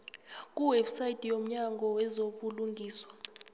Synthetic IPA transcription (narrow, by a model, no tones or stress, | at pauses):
k̬ʼuwɛbsajidʼijom̩ɲaŋɡʱɔwɛzoɓuluŋɡʱiːswḁ